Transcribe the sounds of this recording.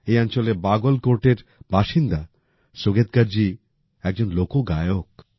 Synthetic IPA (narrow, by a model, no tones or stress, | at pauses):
ejant͡ɕolebaɡolkoɾʈeɾbaʃind̪a | soɡet̪̚ɡaɾd͡ʑi | ɛk̚d͡ʑonlokoɡajok